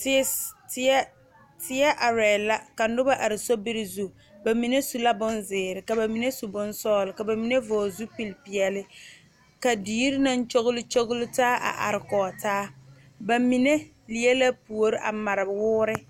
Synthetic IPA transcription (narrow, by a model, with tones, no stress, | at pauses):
ttɛ˦ | tɪ˦ɛ˦ʔa˨ɾɛː˨la˦ka˨nʊ˦ba˦ʔa˨ɾɪ˨so˦bɪ˦ɾɪ˨zu˦˨ | ba˨mi˨ne˦su˨la˦bʊ˦nzɪː˨ɾɪ˨ka˨ba˨mi˨ne˦su˨bʊ˦nsɔː˦lʊ˨ka˨ba˨mi˨ne˦vɔː˨zu˦pi˨lpi˨ɛ˨lɪ˦ | ka˨diː˦ɾɪ˦na˦n˦t͡ʃo˦ɣʊ˦lʊ˦t͡ʃo˦ɣʊ˦lʊ˦taː˦ʔa̰˨ʔa̰˨ɾɪ˨kɔː˨taː˦ | ba˨mi˨ne˦ | li˨˦e˦la˦pu˨o˨ɾɪ˦ʔa˨ma˨ɾɪ˨bwʊː˦ɾɪ˦